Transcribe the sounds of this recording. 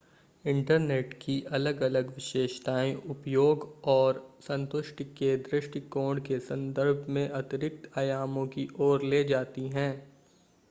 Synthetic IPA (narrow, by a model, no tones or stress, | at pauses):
ɪ̃ɳʈəɾneːʈkiʔɐləɡɐləɡʋɪʃeːʃt̪aːĩʔʊpjoːɡɔːɾsɐ̃nt̪ʊʃʈked̪ɾɪʃʈikoːɖkesɐ̃nd̪əɾbʱmẽʔɐt̪ɪɾɪk̚t̪aːjaːmõkiʔɔːɾleːd͡ʒaːt̪iɦɛ̃ː